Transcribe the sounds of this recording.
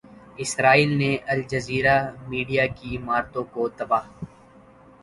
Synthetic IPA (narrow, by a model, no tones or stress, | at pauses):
ɪsɾaːiːlneʔɐld͡ʒɐziːɾamiːɖijakimaːɾt̪õkot̪ɐbaːɦ